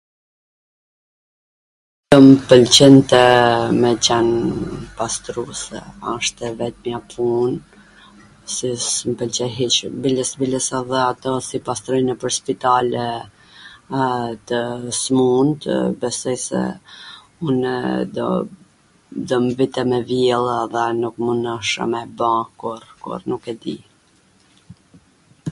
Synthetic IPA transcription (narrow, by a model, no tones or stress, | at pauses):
d̪̥ɔmpəlt͡ɕɛnt̪ɛmɛt͡ɕanpast̪ɾusɛ̰aʃt̪ɛvɛt̪̚mjapʰun | sismpəlt͡ɕɛɦit͡ʃbiləsbiləsɛðɛat̪ɔsipast̪ɾɔjnɛpəɾspit̪alɛ | t̪əsmunt̪bɛsɔjsɛ̰ | unɛd̪ɔ̰ | d̪ɔmvit̪ɛmɛvjɛlˠðɛnukmunɔʃə̰mɛbãkuɾkɔ̰ɾnukɛd̪ḭ